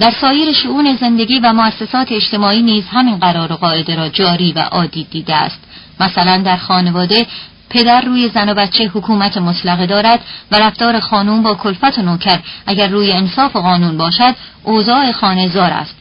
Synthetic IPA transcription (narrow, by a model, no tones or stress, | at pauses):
d̪̥æɾsɒːjeɾeʃouːne̞ze̞nd̪eɟiːvæmoæsːesɒːt̪ʰeːt͡ʃt̪e̞mɒːiːniːzɦæminɢæɾɒːɾo̞ɣɒːʔe̞d̪eɾɒːd͡ʒɒːɾiːvæ̰ʔɒːd̪iːd̪iːd̪eæ̰st̪ | mæsælænd̪æɾxɒːne̞vɒːd̪e̞ | pʰe̞d̪æɾːuːje̞zæno̞bæt̪t͡ʃʰːeɦokʰuːmæt̪ʰemot̪læɣed̪ɒːɾæd̪væɾæft̪ɒːɾe̞xɒːnuːmbɒːkʰo̞lfæt̪ʰo̞noːcʰæɾʔæɟæɾːuːjeːnsɒːfe̞ɣɒːnuːnbɒːʃæd̪̥ | ʔoːzɒːe̞xɒːne̞zɒːɾæ̰st̪